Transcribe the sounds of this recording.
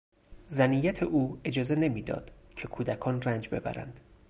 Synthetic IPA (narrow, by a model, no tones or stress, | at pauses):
zæniːjæt̪ʰeʔuːe̞d͡ʒɒːze̞ne̞miːd̪ɒ̰ːd̪̥cʰe̞kʰuːd̪ækʰɒːnrænd͡ʒbe̞bæ̰ɾæ̰nd̪̥